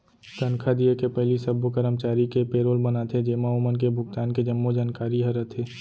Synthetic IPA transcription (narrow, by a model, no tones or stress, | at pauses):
t̪ɐnkʰad̪iekepɛɦlisɐbokəɾəmt͡ʃaːɾikepeːɾoːlbɐnat̪ʰed͡ʒeːmaomənk̬ebʱʊɡt̪aːnked͡ʒɐmːod͡ʒaːnkaːɾiɦɐɾət̪ʰeː